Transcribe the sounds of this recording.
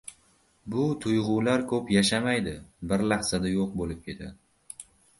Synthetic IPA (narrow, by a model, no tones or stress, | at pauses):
bʊt̪ʰʊjʁʊwlaɾkʰɵpjaʃamajd̪ɪbɪɾlaχsad̪ajoq̚bolɪp̚kʲʰe̞t̪ʰa